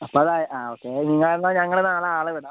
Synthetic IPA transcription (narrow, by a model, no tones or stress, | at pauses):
ɐpːoɐðaːjʔaːoːkːeniŋːɐɭenːɐɲɐŋːɐɭenaːlɐaːɭɐʋiɽa